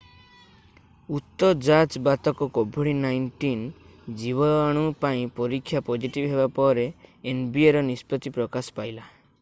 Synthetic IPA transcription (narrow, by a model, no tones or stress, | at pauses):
ut̪ːɔd͡ʒat͡ʃbat̪ɔkɔkobʱuɽinajɳʈin | d͡ʒiβɔaɽ̃upaĩpɔɾikʰːjapɔd͡ʒiʈibɦebapɔɾeːnbieɾɔnispɔt̪ipɾɔkasɔ̥pajla